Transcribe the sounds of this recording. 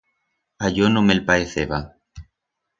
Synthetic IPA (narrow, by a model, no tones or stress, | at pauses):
aʎonõmelpaeθeβa